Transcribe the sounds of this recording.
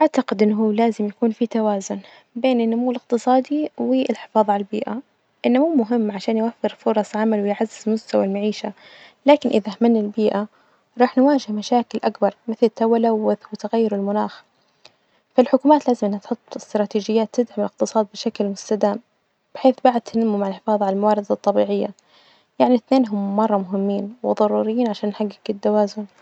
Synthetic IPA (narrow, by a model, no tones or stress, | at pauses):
ʔaʕt̪aqɪd̪ʔɪnːɦuːlaːzɪmjakuːnfit̪awaːzʊn | beːnɪnːʊmuːlɪq̚t̪ɨsˤɑːd̪iwɪɪlħɪ̥fɑːðˤʕalalbḭːʔa | ʔɪnːamuːmʊɦɪmːʕaʃaːnjwafːɪɾfʊɾˤɑsˤʕamalwɪjʕazːɪzɪlmʊst̪awalmaʕiːʃalaːkɪnʔɪðahmanːalbiːʔa | ɾˤɑːħnwaːʒɪhmaʃaːkɪlʔakbɑɾˤmɪθlt̪ːawalawɪwɪt̪aɣajːʊɾɪlmʊnaːx | falħʊkuːmaːt̪laːzɪmʔɪnːat̪ħʊt̪ˤːɪst̪ɾˤɑːt̪iːd͡ʒɪjːaːt̪ːɪd̪ʕamɪlɪq̚t̪ɨsˤɑːd̪̚bɪʃaklmʊst̪ad̪aːm | b̥ɪħeːθbaʕd̪̚t̪ɪnamːumaʕɪlħɪfɑːðˤʕalalmawɑːɾɪd̪ɑt̪ˤːɑbiːʕɪjːa | jaʕniθneːnɦʊmːɑrˤːɑmʊɦɪmːiːnwɪ̰ðˤɑɾˤuːɾɪjːiːnʕaʃaːnːħaɡːɪɡɪt̪ːawaːzʊn